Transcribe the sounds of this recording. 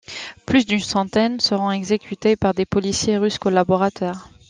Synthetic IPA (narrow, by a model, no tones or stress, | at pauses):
plysd̪ynsɑ̃t̪ɛnsəʁɔ̃ɛɡzekʰʲyt̪epaʁd̪epɔlisjeʁyskɔlabɔʁat̪œːʁ